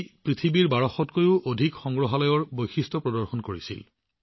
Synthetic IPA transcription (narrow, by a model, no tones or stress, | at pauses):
pɹit̪ʰibiɹbaɹɔxɔtkojʊʔodʱikxɔŋɡɹɔɦalɔjɔɹbojxistɔpɹɔdɔɹxɔnkoɹisḭl